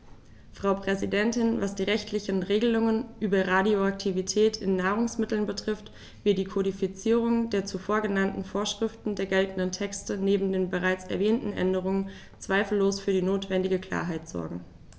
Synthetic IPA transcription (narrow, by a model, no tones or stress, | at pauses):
fʁ̥aʊpʁ̥ɛzidɛntɪnvasd̥iːʁɛçtʰlɪçən̩ʁeːɡəlʊŋənʔyːbɐʁadioak̚tʰivitʰɛːtʰɪnːaːʁ̞ʊŋsmɪtl̩nbətʁ̥ɪft | v̥ɪɐtd̥iːkʰodifit͡siːʁ̞ʊŋd̥eːɐt͡sufoːɐɡənantn̩foːɐʃʁ̥ɪftn̩deːɐɡɛltn̩dəntʰɛkstəneːbm̩deːnbəʁaɪt͡sɛɐvɛːntn̩ʔɛ̰ndəʁ̞ʊŋən | t͡sv̥aɪfl̩ːoːsfyːɐdiːnoːtv̥ɛndɪɡəkl̥a̰ːɐɦaɪtz̥ɔ̰ɐɡŋ̩